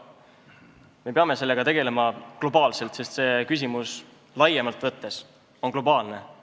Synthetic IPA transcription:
me̞peɑme̞se̞lːeɡ̥ɑt̪e̞ɡ̥e̞le̞mɑklo̞bɑːlse̞lt̪se̞st̪se̞kys̬ʲimus | lɑjemɑlt̪ːˑvɤt̪ːˑe̞s | o̞nklo̞bɑːlne̞

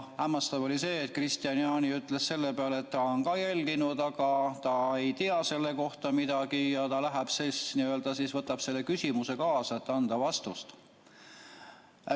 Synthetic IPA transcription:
hæmːɑst̪ɑvo̞lise̞ːt̪̚ːˑkrist̪iɑnjɑːniyt̪ˑlesse̞lːepeɑleet̪ːɑonkɑːjælʲɡ̥inud̪̥ɑɡ̥ɑt̪ɑe̞jt̪iɑse̞lːe̞ko̞ht̪ɑmid̪̥ɑɡijɑt̪ɑlæɦæb̥sesniø̞ld̪̥ɑsiːsvɤt̪ːˑɑb̥se̞lːe̞kysʲimuse̞kɑːsɑet̪ːɑnd̪̥ɑvɑst̪ust̪

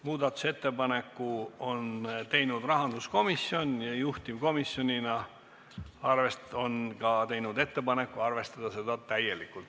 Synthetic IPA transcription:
muːd̪̥ɑt̪ːˑu̥se̞t̪ːe̞pɑne̞kːˑuo̞nt̪e̞jnud̪rɑɦɑnd̪usko̞misjo̞njɑjuht̪imko̞misjo̞nʲinɑ | ɑrve̞so̞nkɑt̪e̞jnud̪e̞t̪ːe̞pɑne̞kːˑuɑrve̞st̪ɑd̪̥ɑse̞d̪ɑt̪æje̞likːˑult̪

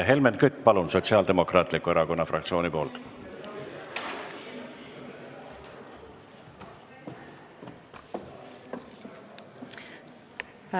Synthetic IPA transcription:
ɦe̞lment̪kyt̪ːˑpɑlunso̞t̪siɑːld̪e̞mo̞krɑːt̪likːueɾɑko̞nːɑfrʔɑ̰kt̪sio̞ːnipo̞ːlt̪

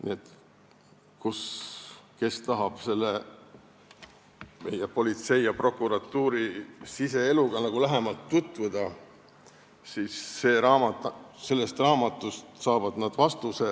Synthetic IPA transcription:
nḭe̞t̪ | kus | ke̞st̪ɑɦɑb̥se̞lːe | me̞̰jepo̞lʲit̪se̞jjɑpro̞kːˑuɾɑt̪ːuːɾisise̞eluɡ̥ɑnɑɡ̥ulæɦe̞mɑlt̪ːut̪vud̪̥ɑ | siːsːe̞ːɾɑːmɑse̞lːe̞st̪rɑːmɑt̪ːˑust̪sɑːvɑd̪nɑd̪̥vɑst̪use̞

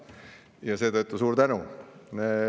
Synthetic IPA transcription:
jɑse̞ːt̪ɤt̪ːusuːɾt̪ænune

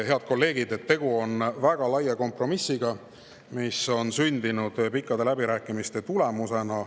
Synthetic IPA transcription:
he̞ɑd̪̚ko̞lːe̞ːɡ̥id̪e̞t̪ːe̞ɡ̥uo̞nvæɡ̥ɑlɑjɑko̞mpro̞misːiɡ̥ɑ | miso̞nsynʲd̪inud̪̥pikːˑɑd̪̥e̞læb̥iɾæːkːˑimist̪e̞t̪ule̞muse̞nɑ

